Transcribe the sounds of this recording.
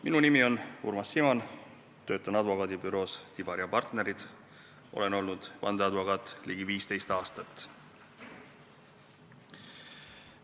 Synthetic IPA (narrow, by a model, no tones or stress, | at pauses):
minunimio̞nṵrmɑsːimɑn | t̪ø̞ːt̪ːˑɑnɑd̪vo̞kɑːd̪ibyɾo̞ːst̪ib̥ɑɾjɑpɑrt̪ne̞ɾid̪̥ | ʔo̞̰le̞no̞lnud̪̥vɑ̰nd̪eɑd̪vo̞kɑːt̪ːˑliɡ̥iviːst̪e̞jst̪ɑːst̪ɑt̪ːˑ